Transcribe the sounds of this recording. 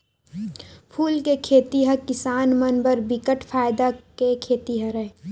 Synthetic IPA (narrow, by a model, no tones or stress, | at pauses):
pʰuːlkekʰeːt̪iɦə̃kɪsaːnmənbəɾbɪkəʈfʰaːɪd̪akekʰeːt̪iɦə̃ɾɛ